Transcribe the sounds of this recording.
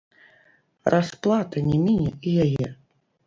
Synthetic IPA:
rʔasplˠat̪ɐnʲɛmʲinʲɛijajɛ

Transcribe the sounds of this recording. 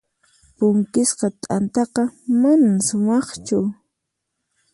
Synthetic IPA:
pʊŋkɪsqɑt̪ʼant̪ɑqɑmanamsʊmɑχt͡ʃʊ

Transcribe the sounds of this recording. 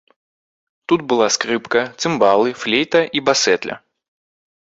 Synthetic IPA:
t̪ut̪̚bɨlˠaskɾɨpkɐt̪sɨmbalˠɨflʲejt̪ɐʔibasɛt̪lʲɐ̰

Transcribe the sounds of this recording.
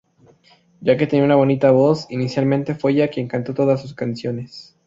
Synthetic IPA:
ɟ͡ʝake̞t̪e̞niounaβo̞nit̪aβo̞sinisjalmẽnt̪e̞fweʝakjeŋkant̪o̞t̪o̞ðasuskansjo̞nes

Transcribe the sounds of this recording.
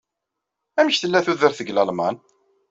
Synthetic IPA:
æməçθəlːæθuðəɾθəɡlɑlmɑn

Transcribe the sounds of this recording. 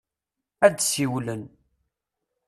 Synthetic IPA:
æd̪siwlən

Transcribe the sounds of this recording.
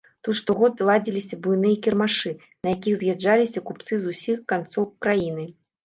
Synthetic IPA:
t̪ut̪ʂt̪ɔɣɔd̪lˠad͡zʲilʲisʲɐbujnɨjɐkʲirmaʂɨ | nɐjakʲiɣzʲjad͡ʐːalʲisʲɐkup̚t̪sɨzusʲixkant̪sɔwkɾajinɨ

